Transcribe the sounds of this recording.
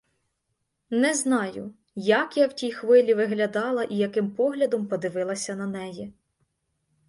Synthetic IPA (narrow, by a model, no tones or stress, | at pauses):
nɛznɑjʊ | jɐkjawtʲijxʋɪlʲiʋɪɦlʲɐd̪ɑlˠɐʔijɐkɪmpɔɦlʲɐd̪ɔmpɔd̪ɪʋɪlˠɐsʲɐnɐnɛji